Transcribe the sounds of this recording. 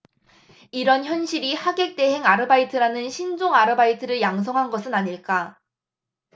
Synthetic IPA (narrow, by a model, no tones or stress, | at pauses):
iɾʌnçjʌnɕʰiɾihaɡe̞k̚t͈e̞ɦeŋaɾɯbaitʰɯɾanɯnɕʰind͡ʑoŋaɾɯbaitʰɯɾɯɭjaŋs̬ʰʌŋɦanɡʌsʰɯnaɲiɭk͈a